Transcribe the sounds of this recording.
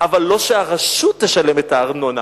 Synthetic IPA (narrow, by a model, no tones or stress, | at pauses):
avalːo̞ʃeaʁaʃut̪ːeʃale̞metaːʁnona